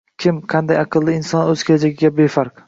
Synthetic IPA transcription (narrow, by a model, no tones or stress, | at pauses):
kʲʰɪmqʰɑnd̪ajɑqʰɨlˠːɪɪnsɒnɵz̥kʲʰelad͡ʒaɡʲɪɡʲabe̞faɾq